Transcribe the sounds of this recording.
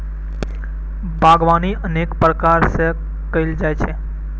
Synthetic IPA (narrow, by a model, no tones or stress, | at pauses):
bʱaɡʋaniʔənekpɾəkaɾse | kəild͡ʒajt͡ʃʰe